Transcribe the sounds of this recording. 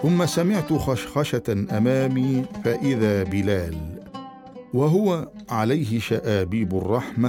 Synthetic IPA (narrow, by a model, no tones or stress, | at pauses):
θʊmːasamɪʕt̪ʊxʃxɑʃaʔamaːmiːfaʔɪðaːbɪlaːl | waɦʊwaʕalajɦɪʃaʔaːbiːbʊrˤːɑħma